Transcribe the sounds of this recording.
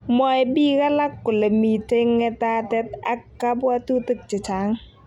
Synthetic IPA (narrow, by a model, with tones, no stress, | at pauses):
mɔ˨ɛ˨bi˦ka˦la˦kːo˨le˨mi˨te˦ŋɛ˦ta˦tɛ˦ta̰˦kːa˦bwa˦tu˦tə˦˨k̚t͡ʃe˨t͡ʃa˨˦ŋ